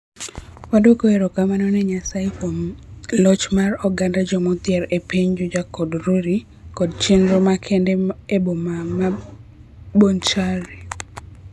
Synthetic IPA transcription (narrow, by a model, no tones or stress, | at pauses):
wadokoeɾokamanɔnɛɲasajekomlɔt͡ʃmarɔɡandad͡ʒɔmɔt̪jɛɾepeɲd͡ʒɔd͡ʒakɔdɾuɾi | kɔdt͡ʃenɾomakʰendeebomama | bont͡ʃaɾe